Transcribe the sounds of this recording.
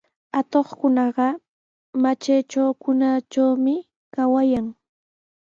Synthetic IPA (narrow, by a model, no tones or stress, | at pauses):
at̪oχkʊnɑɢɑ | mat͡ʃajt͡ʃawkʊnat͡ʃawmɪ | kawajaŋ